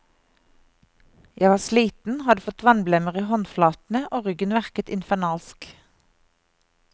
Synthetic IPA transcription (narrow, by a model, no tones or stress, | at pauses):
jæɪʋɑːsliːt̪n̩hɑd̪əfɔt̪ʋɑnblɛməʁiːhɔnflɑːt̪n̩əʔoːʁʏɡənʋæʁkət̪ɪ̰nfænɑːlsk